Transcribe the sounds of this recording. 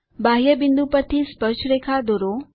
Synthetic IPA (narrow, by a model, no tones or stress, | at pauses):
baɦjəbɪnd̪upəɾt̪ʰispət͡ʃʰɾekʰad̪oɾo